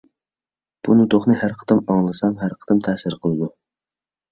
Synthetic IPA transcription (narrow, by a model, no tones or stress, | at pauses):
b̥unut̪oχnɨhæɾqʰə̥t̪ɨmɑŋlˠɨsɑmɦæɾqʰə̥t̪ɨmt̪ʰɛsɨɾqʰəlˠɨd̪u